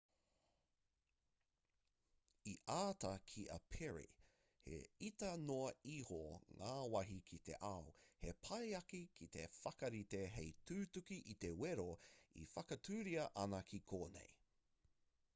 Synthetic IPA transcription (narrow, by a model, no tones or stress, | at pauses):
iʔaːtɐkʰiʔɐ̰pʰɛɹḭ | hḛitɐnoɐihoŋaːwɐɦikʰit̪ḛʔɐwhepʰɐjɐkikʰit̪e̞fɐkɐɾiteɦejtʰʉːtukiʔit̪e̞weɾoḭfɐkɐtʰʉːɾiɐʔɐnɐkʰikʰoːnḛj